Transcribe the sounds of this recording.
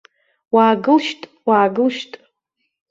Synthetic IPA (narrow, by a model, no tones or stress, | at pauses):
waːɡɨlʃtʼ | waːɡɨlʃtʼ